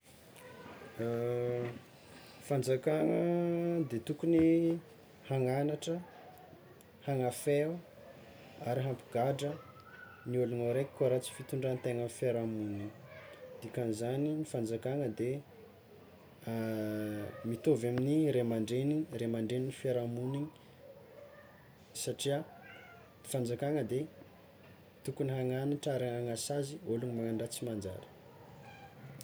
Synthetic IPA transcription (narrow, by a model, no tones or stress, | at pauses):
fand͡zakaŋəd̪et̪ukuni | haŋanaʈ͡ʂə | haŋafe | aɾiɦampu̥ɡ̥aɖ͡ʐə | niulunaɾekʲi̥kaɾat͡si̥fit̪uɳɖ͡ʐant̪eŋəfiaɾamunid̪ikanzaninifand͡zakaŋəd̪e | mit̪ovaminiɾemaɳɖ͡ʐeniremaɳɖ͡ʐeninifeɾamuniɲi̥ | saʈ͡ʂia | nifand͡zakaŋəd̪e | t̪ukuniɦaŋanaʈ͡ʂaɾaaŋasazioluɲmaŋaɳɖ͡ʐat͡simand͡ʒa̰ɾi̥